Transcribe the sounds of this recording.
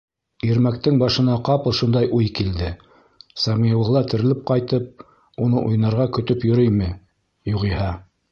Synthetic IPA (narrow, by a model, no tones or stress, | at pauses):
iɾmæk̚t̪ɘŋbɑʃɤ̆nɑqɑpɤ̆lˠʃund̪ɑjʔujkild̪ɘ | sɑmijɤ̆wˠɤ̆lˠɑt̪ɘ̆ɾɘ̆lɘp̚qɑjt̪ɤp̚ | unɤʔujnɑɾʁɑkɵ̆t̪ɵpjŏɾɵjmɘ | juʁihɑ